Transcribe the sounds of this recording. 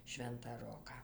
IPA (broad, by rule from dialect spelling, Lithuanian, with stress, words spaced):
ˈʃʲʋʲɛntɑː ˈroːkɑː